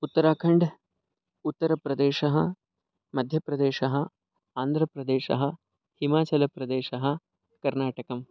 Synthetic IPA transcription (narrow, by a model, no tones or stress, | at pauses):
ut̪ːɐɾaːkʰɐɳɖ | ut̪ːɐɾɐpɾɐd̪eːʃɐɦɐ̰̆ | mɐd̪ʱjɐpɾɐd̪eːʃɐɦɐ̆ | aːnd̪ʱɾɐpɾɐd̪eːʃɐ̰ɦɐ̆ | himaːt͡ʃɐlɐpɾɐd̪eːʃɐɦɐ̆ | kɐɾnaːʈɐkɐm